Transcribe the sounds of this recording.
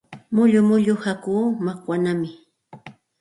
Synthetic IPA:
mʊʎʊmʊʎʊhakuːmakwanamɪ

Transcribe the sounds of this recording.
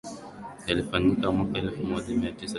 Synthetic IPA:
jalifanikamwakaɛlfumɔʄamiatisa

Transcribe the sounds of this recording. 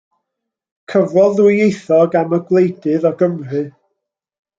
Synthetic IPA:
kʰəvrɔlˠðwɪejθɔɡaməɡlˠejdɨðɔɡəmrɨ

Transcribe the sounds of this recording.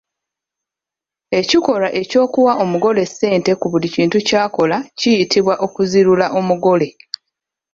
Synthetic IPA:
e̞ciko̞laʔe̞co̞ːkuwaʔo̞muɡo̞le̞sːe̞ːnte̞kuβuliciːntucaːko̞lacijitʰiβwaʔo̞kuziɾulaʔo̞muɡo̞le̞

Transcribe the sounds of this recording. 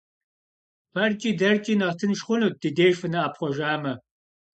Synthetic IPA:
pʰɐrkʲʼiːdɐrkʼiːnɐʁtʰɨnʃχʷʊnuːt̚d̥ideːʒfɨnɐːpχʷɔʒaːmɐ

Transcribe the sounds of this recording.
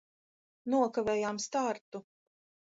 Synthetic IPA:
nuɔkavɛːjaːmst̪aɾt̪u

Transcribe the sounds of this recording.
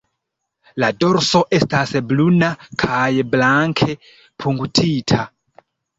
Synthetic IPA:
ladoɾso̞ʔe̞stasblunakʰajblaŋkʰe̞ | pʰuŋɡtʰitʰa

